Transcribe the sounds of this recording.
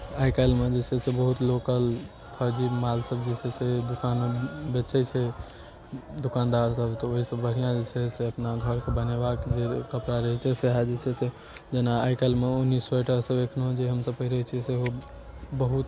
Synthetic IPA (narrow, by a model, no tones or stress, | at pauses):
ajkalmed͡ʒet͡ʃʰɛsebəɦut̪lokəl | pʰəd͡ʒimalsəbd͡ʒet͡ʃʰɛsed̪ukanbet͡ʃʰɛt͡ʃʰɛ | d̪ukand̪aɾsəbt̪ɔoɦisəbːəɽ̤ijãd͡ʒet͡ʃʰɛseəpnaɡʱəɾkebənebakd͡ʒekəpɾaɾəɦɛt͡ʃʰɛseɦad͡ʒet͡ʃʰɛse | d͡ʒenaajkalmeunːisoeʈəɾsəbekʰnɦod͡ʒeɦəmsəbpəɦiɾəɦt͡ʃʰiseɦo | bəɦut̪